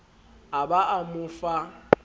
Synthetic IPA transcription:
abaʔamʊfa

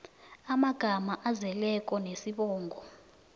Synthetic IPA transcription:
amaɡ̥ʱamaʔazɛlɛkʼɔnesiɓɔːŋɡʱɔ

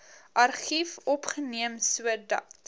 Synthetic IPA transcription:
ʔɐrχifɔpχəniəmsuədɐ̰t

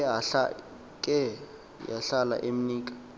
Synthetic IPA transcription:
aɬa | kʼɛ | jaɬala̰ʔem̩niːkʼḁ

